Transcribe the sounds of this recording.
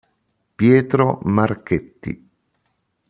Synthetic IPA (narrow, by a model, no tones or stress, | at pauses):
pjɛːt̪ɾomarket̪ːḭ